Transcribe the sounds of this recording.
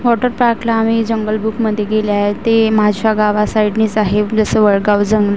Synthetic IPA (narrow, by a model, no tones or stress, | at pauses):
ʋɔʈəɾpakʰlaːmiːd͡zəŋɡəlbukməd̪ʱjeɡeliaɦet̪eməɦad͡ʑuɕaɡaʋasaiʈniːt͡saɦebd͡zəsəʋəɭɡaʋd͡zəŋɡl